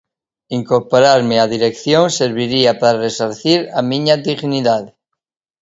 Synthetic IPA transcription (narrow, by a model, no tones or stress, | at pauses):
iŋkoɾpoɾaɾmeaðiɾekθjoŋseɾβiɾiapaɾaresaɾθiɾamĩɲaðiɣniðaðe